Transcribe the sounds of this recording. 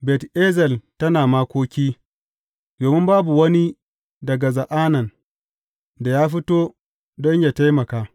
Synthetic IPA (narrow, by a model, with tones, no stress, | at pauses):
bɛ˨teː˦zɛ˨ltɐ˦naː˨maː˦kʷoː˦kʲiː˦ | doː˨mɪ˦mbaː˦bu˨wɐ˦ni˦ | dɐ˨ɡa˨zɐ˨ʔaː˦nɐ˨n | da˨jaː˦ɸɪ˦toː˦ | dɔ˦ɲjaː˨ta˦jmɐ˨kaː˨